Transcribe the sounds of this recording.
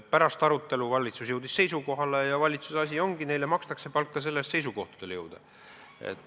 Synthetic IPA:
pæɾɑst̪ɑɾut̪ːˑe̞luvɑlʲːit̪susjewd̪̥isːe̞jsuko̞ɦɑle̞jɑvɑlʲit̪susɑsʲio̞ŋɡ̥ine̞jlemɑkst̪ɑksepɑlkːɑs̬e̞lːest̪se̞js̬uko̞ht̪u̥d̪̥e̞ljewd̪̥ɑ̰ | ḛt̪ːˑ

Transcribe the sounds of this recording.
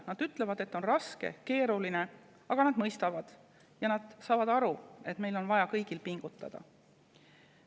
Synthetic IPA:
nɑd̪̥yt̪ˑle̞vɑd̪e̞t̪ːˑo̞nrɑske̞̰ke̞ːɾuline̞ | ɑɡ̥ɑnɑd̪mɤjst̪ɑvɑd̪̥ | jɑnɑd̪̥sɑːvɑd̪̥ɑɾue̞t̪me̞jlo̞nvɑjɑkɤjɡ̥ilpiŋɡ̥ut̪ːˑɑ̰d̪̥ɑ̰

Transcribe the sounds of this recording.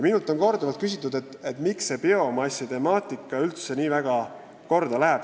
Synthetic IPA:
jminult̪ːˑo̞nko̞rd̪ɑvɑlt̪̚kys̬ʲit̪ːˑud̪e̞t̪ːˑet̪ːmiksːe̞pio̞mɑsʲit̪e̞mɑːt̪ˑikːˑɑylt̪se̞niːvæɡ̥ɑ | ko̞rd̪̥ɑlæɦeb̥

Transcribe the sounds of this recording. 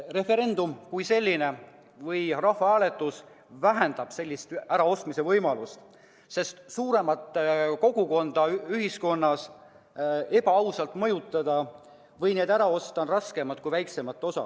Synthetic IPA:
re̞fe̞ɾe̞nd̪̥umkujse̞lʲːine̞ | vɤjrɑhvɑæːle̞t̪ːˑus | væɦend̪̥ɑb̥se̞lʲːist̪æɾɑo̞st̪mise̞vɤjmɑlust̪ | se̞st̪suːɾe̞mɑt̪ːˑko̞ɡ̥uko̞nd̪̥ɑyɦisko̞nːɑs | e̞bɑɑwsɑlt̪ˑmɤjut̪ːˑɑd̪ɑ | vɤjneːd̪æɾɑo̞st̪ɑnrɑske̞mɑt̪̚kujvæjkse̞mɑt̪ːˑo̞sɑ̰

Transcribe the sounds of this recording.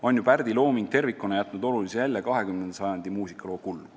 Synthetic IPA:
o̞nʲjupærd̪̥ilo̞ːmiŋɡ̥̚t̪e̞rvikːˑunɑjæt̪ˑnud̪o̞lulisijælʲːjɑkɑɦe̞kymnensɑjɑnd̪imuːsikːˑɑlo̞ːkulː

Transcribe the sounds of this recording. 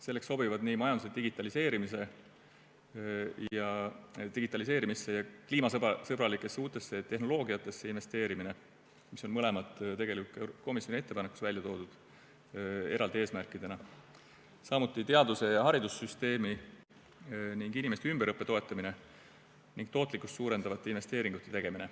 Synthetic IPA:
se̞lːe̞ksːo̞bivɑd̪niːmɑjɑnd̪u̥sed̪̥iɡ̥it̪ːˑɑlise̞ːɾimise̞ | jɑt̪iɡ̥it̪ːˑɑlise̞ːɾimisːe̞jɑkliːmɑsɤsɤbɾɑlikːˑe̞sːeuːt̪ːˑe̞sːe̞t̪ːe̞hɦno̞lo̞ːɡiɑt̪ːˑe̞sːe̞inve̞st̪e̞ːɾimine̞ | miso̞nmɤle̞mɑt̪ːˑt̪e̞ɡe̞likult̪kko̞misjonie̞t̪ːe̞pɑnekːˑu̥svælʲjɑt̪o̞ːd̪ud̪̥ | e̞ɾɑld̪ee̞ːsmærkˑid̪̥e̞nɑ | sɑmut̪ːˑit̪e̞ɑd̪use̞jɑɦɑɾid̪usyst̪e̞ːmi | niŋɡinime̞st̪eymb̥eɾɤpːˑe̞t̪o̞e̞t̪ːˑɑmine | niŋɡ̥̚t̪o̞ːt̪ˑlikːˑust̪suːɾe̞nd̪̥ɑvɑt̪ːˑeinve̞st̪e̞ːɾiŋɡ̥ut̪ːˑet̪e̞ɡ̥e̞mine̞

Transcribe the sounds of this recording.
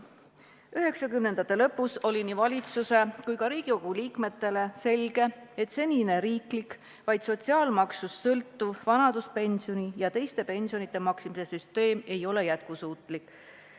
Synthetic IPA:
yɦe̞ksɑkymnend̪ɑt̪ːˑe̞lɤpːˑuso̞lʲinivɑlʲit̪suse̞kujkɑɾiːɡ̥iko̞ɡ̥uliːkme̞t̪ːe̞le̞se̞lɡ̥e̞et̪se̞nʲine̞ɾiːklik | vɑjd̪̥so̞t̪siɑːlmɑksusːɤlt̪ːuvvɑnɑd̪̥uspe̞nʲsio̞nijɑt̪e̞jst̪e̞pe̞nʲsio̞nit̪ːˑe̞mɑksimise̞syst̪e̞ːme̞jo̞le̞jæt̪̚kusuːt̪ˑlikː

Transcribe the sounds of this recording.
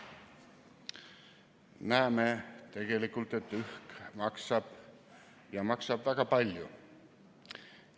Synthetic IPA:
næemet̪e̞ɡ̥e̞likːˑult̪e̞t̪ːyhkmɑksɑb̥ | jɑmɑksɑbvæɡ̥ɑpɑlʲjṵ

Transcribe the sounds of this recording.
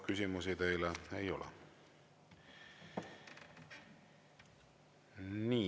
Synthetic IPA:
kysʲimus̬id̪ejleejo̞lɛ̰ | niː

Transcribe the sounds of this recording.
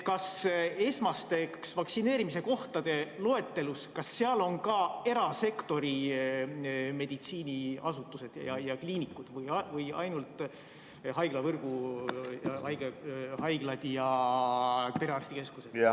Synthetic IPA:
kɑse̞smɑst̪e̞ksvɑksineːɾimise̞ko̞ht̪ɑd̪̥e̞lo̞e̞t̪ːe̞luskɑsːeɑlo̞nkɑe̞ɾɑse̞kt̪o̞ɾi | me̞d̪̥it̪siːniɑsut̪ːˑuse̞d̪̥jɑjɑkliːnikːˑud̪̥vɯjvɯjɑ̰jnult̪ˑ | ɦɑjɡ̥lɑvɤrɡ̥u | hɑjɡehɑjɡ̥lɑd̪̥jɑ | p̪eɾɑɾrst̪ike̞skused̥̪

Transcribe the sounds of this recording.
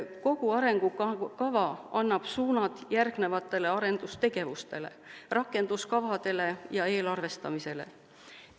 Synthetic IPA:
ko̞ɡ̥uɑɾe̞ŋɡ̥ukɑvɑɑnːɑb̥suːnɑd̪̥jærɡ̥ne̞vɑt̪ːˑe̞le̞ɑɾe̞nd̪ust̪e̞ɡ̥e̞vust̪e̞le̞̰rɑkːˑe̞nd̪̥uskɑvɑd̪̥e̞le̞jɑe̞ːlɑrve̞st̪ɑmise̞lḛ

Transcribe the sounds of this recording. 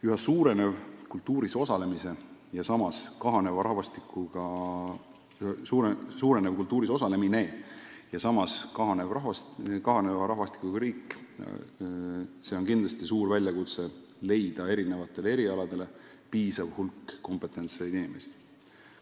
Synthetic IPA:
yɦesuːɾe̞ne̞vkult̪ːˑuːɾiso̞sɑle̞misejɑsɑmɑskɑɦɑne̞vɑɾɑɦvɑst̪ikːuɡ̥ɑ | uːɾesuːɾe̞nevkult̪ːˑuːɾiso̞sɑle̞mine̞ːjɑsɑmɑskɑɦɑnevrɑɦvɑskɑɦɑne̞vɑɾɑɦvɑst̪i̥kːˑuɡ̥ɑɾiːkː | se̞o̞nkind̪lɑst̪isuːɾvælʲjɑkut̪se̞ | le̞jd̪̥ɑe̞ɾine̞vɑt̪ːˑe̞lee̞ɾiɑlɑd̪̥e̞le̞ | piːsɑvhulkːo̞mpe̞t̪ːˑe̞nt̪sejd̪inime̞si̥

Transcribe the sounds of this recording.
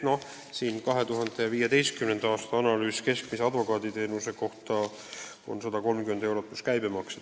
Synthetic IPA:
no̞ | siːnkɑɦe̞t̪uɦɑnd̪̥eviːjɑt̪e̞jst̪̚kymnend̪̥ɑɑːst̪ɑɑnɑlyːske̞skmisɑd̪vo̞kɑːd̪̥it̪e̞ːnuse̞koht̪ɑ | onsɑd̪̥ɑko̞lmkyme̞nd̪e̞wɾo̞t̪ːˑuskæjbemɑkse

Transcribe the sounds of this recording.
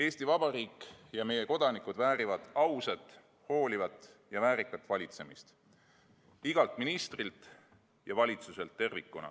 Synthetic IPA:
e̞ːst̪ivɑb̥ɑɾiːkˑjɑme̞je̞ko̞d̪̥ɑnikud̪væːɾivɑd̪̥ɑwset̪ˑ | ho̞ːlivɑt̪ːˑjɑvæːɾikːˑɑt̪ːˑvɑlʲit̪se̞mist̪ | iɡ̥ɑlt̪ˑminist̪rilt̪ | jɑvɑlʲit̪suse̞lt̪ːe̞rvikːˑunɑ̰

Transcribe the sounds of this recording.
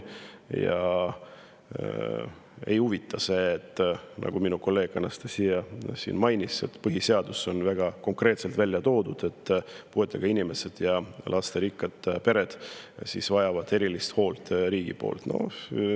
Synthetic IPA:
jɑ̰ | ḛjuvit̪ːˑɑseːt̪ːˑnʔɑ̰ɡ̥uminuko̞lːeːɡɑnɑst̪esijɑsḭːnmɑjnʲise̞̰t̪ːpɤɦise̞ɑd̪̥usːo̞nvæɡ̥ɑko̞ŋkre̞ːt̪se̞lt̪vælʲːjɑt̪o̞ːd̪̥ud̪̥e̞t̪ːpue̞t̪ːˑɑɡ̥ɑinʲime̞se̞d̪̥jɑlʔɑst̪e̞ɾikːɑd̪̥pe̞ɾe̞d̪̥sḭsvɑjɑvɑd̪̥e̞ɾilist̪ho̞ːlt̪ˑɾiːɡ̥ḭpo̞̰ːlt̪no̞̰

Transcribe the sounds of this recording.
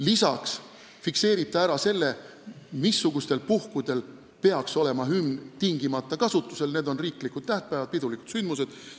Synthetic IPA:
lisɑks | fikse̞ːɾit̪ːˑɑæɾɑse̞lːe̞ | misːuɡ̥ust̪e̞lpuhkud̪̥e̞l | pe̞ɑkso̞le̞mɑɦymnt̪iŋɡ̥imɑt̪ˑːɑkɑsut̪ːˑuse̞lne̞d̪o̞nriːklikud̪̥̚t̪æht̪̚pæːvɑd̪̥̚pid̪uliku̥t̪synd̪muse̞d̪̥

